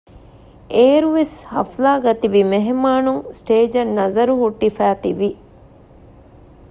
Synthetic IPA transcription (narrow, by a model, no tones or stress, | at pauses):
eːɾuʋeshɐ̰flaːɡɐt̪iʋimeɦemaːnuŋsʈeːd͡ʒɐnːɐzɐɾuɦuʈːifæːt̪iʋi